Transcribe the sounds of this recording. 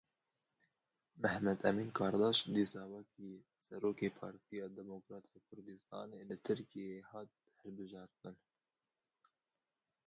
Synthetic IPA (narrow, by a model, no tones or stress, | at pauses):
mæhmɛd̪ʔɛmiːnkʰɑːɾd̪ɑːʃd̪iːsɑːwɛkʰi | sɛɾoːkeːpʰɑ̰ːɾt̪ijɑːd̪ɛmokɾɑːt̪ʰeːkʰʊɾd̪ɨst̪ɑ̰ːneːlɨt̪ʰɨɾkijehɑːt̪̚ | hɛlbɨʒɑːɾt̪ɨn